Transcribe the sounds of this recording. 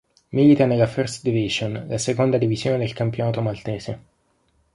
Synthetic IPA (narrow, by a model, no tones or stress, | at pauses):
milit̪anelːafɛrst̪d̪iviʒonlasekond̪ad̪ivizjoːned̪elkampjonaːt̪omalt̪ɛːz̥e